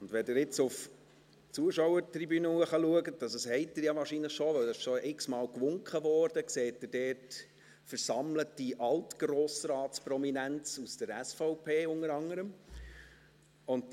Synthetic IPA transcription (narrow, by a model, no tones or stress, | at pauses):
ʊndʋɛdɪːɾɪt͡sʊf | t͡suəʃɔwəɾtribynuːəχɑluəɡətd̥ɑsəshɛɪt̚dɪɾjɑʋɑːɾʃinləχʃɔʋœwdɛɪʃoɪksmɑːlkʋʊŋkχəʋɔːɾd̥əkseːt̚dɪdɛːt | fəɾsɑmlətd̥iʔɑltɡ̥roːsrɑːtsprɔminænt͡susd̥əɾæsfɔʊpʰeːʊnəɾɑŋːəɾəm | ʊnt